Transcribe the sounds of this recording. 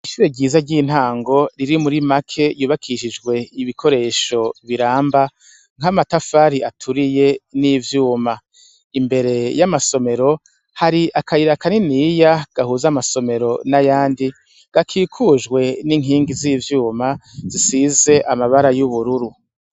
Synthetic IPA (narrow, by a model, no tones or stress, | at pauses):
iʃuːɾeɟiːzaɟiːn̥haːŋɡo̞ɾiɾimuɾimakʰe̞juːβakʰiʃid͡ʒɡwe̞iβikʰo̞ɾe̞ːʃo̞βiɾaːmba | ŋ̥hamatafaːɾiatʰuɾije̞niːvjuːma | imbe̞ɾe̞jamaso̞me̞ɾo̞ | haɾiʔakʰaiɾakaninijaɡ̥ahuːzamaso̞me̞ɾo̞najaːndi | ɡ̥akʰiːkʰuʒɡwe̞niŋɦiːŋɡizivjuːmazisize̞ʔamaβaɾajuβuɾuɾu